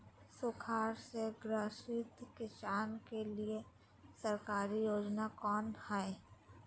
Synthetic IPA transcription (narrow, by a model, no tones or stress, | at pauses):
sʊkʰaːɾseɡɾəʃɪt̪kɪsaːnkelie | səɾkaːɾijoːd͡ʒnakɔːnhɛe